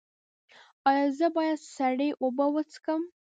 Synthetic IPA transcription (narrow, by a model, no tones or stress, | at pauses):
ɑjɑzəbɑjad̪saɽeʔobəwət͡skəm